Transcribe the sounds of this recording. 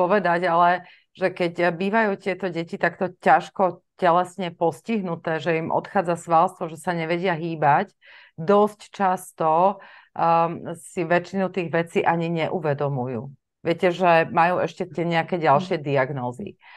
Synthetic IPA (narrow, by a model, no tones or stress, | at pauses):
pɔʋɛd̪aɟalɛ | ʒɛkɛcbiːʋajuːt̪ɪɛt̪ɔɟɛcit̪akt̪ɔcaʃkɔcɛlɛsɲɛpɔsciɦnut̪ɛːʒɛimʔɔ̰t̪xaːd͡zasʋalst̪ʋɔʒɛsaɲɛʋɛɟɪaɦiːbac | d̪ɔsct͡ʃast̪ɔ | siʋɛt͡ʃinut̪iːɣʋɛt͡siːʔaɲiɲɛʔuʋɛd̪ɔmujṵː | ʋɪɛcɛʒɛmajuːʔɛʃcɛt̪ɪɛɲɛakɛːɟalʃɪɛd̪iaɡnɔːzḭ